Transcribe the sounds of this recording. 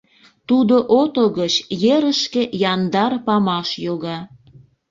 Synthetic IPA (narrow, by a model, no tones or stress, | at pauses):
t̪ud̪oʔot̪oɣət͡ɕjeɾəʃkejɑnd̪ɑrpɑmɑʃjoɣɑ